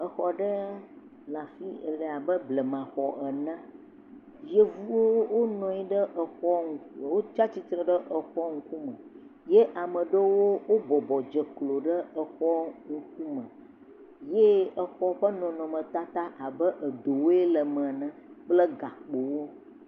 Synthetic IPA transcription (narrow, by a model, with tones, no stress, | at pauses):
ə˨xɔ˨ɖə˦ | la˨fi˦ɛ̰˨lə˨a˨bə˦blə˨mã˨xɔ˨ʔɛ˨nə̃˦ | je˦vu˦wo˦wo˦nɔ̃˨i˦ɖə˦ʔə˨xɔ˦ŋ˦wo˦t͡ʃa˦t͡ɕi˦t̪ɾə˨ɖə˦ʔə˨xɔ˦ŋ̩˦ku˦mə̃˨ | je˦ʔa˨mə̃˨ɖə˦wo˦wo˦bɔ˨bɔ˨d͡ʒə˨klo˨ɖə˦ə˨xɔ˦ŋ̩˦k̚u˦mə̃˨ | je˦ə˨xɔ˦ɸə˦nɔ̃˨nɔ̃˨mə̃˨t̪a˦t̪a˦ʔa˨bə˦ʔə˨d̪o˨wo˦e˦lə˨mə̃˨nə̃˦k͡plə˦ɡa˨k͡po˨wo˦